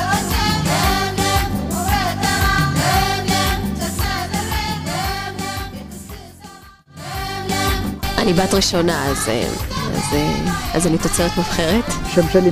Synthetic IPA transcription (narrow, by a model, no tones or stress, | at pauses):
ʔanibaːtʁiʃonaazḛa̰zeazanit̪at͡seʁet̪mifχeʁetʃemʃani